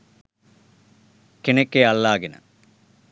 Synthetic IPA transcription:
kiɳekːeɐɭːaːɡinɐ̰

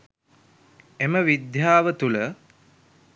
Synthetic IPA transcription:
eməʋid̪jaːʋət̪ulə

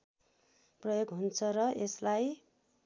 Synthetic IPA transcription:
prʌjoɡɦunt͡sʰʌɾʌʔeslaj

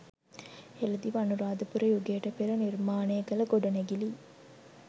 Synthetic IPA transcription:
elɐd̪iʋɐnuɾaːd̪ɐpuɾɐjuɡeːʈɐpeɾɐniɾmaːneːɡɐlɐɡoɖɐneɡiliː

